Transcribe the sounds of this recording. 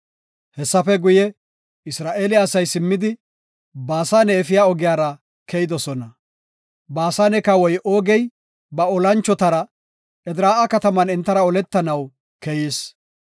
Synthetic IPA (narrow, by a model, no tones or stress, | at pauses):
hɛsːɐfɛɡʊjɛ | ɪsɾaːʔe̞ːlɪɐsɐjsɪmːɪd̪ɪ | baːsaːnɛːfɪjaːɔɡɪjaːɾɐ | kɛjɪd̪ɔsɔnɐ | baːsaːnɛkɐwɔjʔo̞ːɡɛj | bɐɔlɐnt͡ʃːɔt̪ɐɾɐ | ʔɛd̪ɾaːʔɐkɐt̪ɐmɐnɪnt̪ːɐɾɐɔlɛt̪ːɐnɐw | kɛjiːs